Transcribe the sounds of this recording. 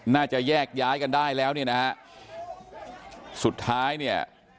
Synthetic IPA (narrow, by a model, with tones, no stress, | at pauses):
naː˥˩t͡ɕa˨˩jɛː˥˩k̚jaː˦˥jka˧ndaː˥˩jlɛː˦˥wni˥˩əna˦˥ha˦˥ʔ | su˨˩t̪ʰːaː˦˥jni˥˩ɐ